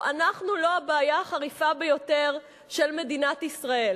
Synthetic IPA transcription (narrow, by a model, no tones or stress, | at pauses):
ʔanaχnulo̞abeːjaχaʁifabe̞jo̞te̞ʁ | ʃe̞lme̞dinat̪isʁae̞l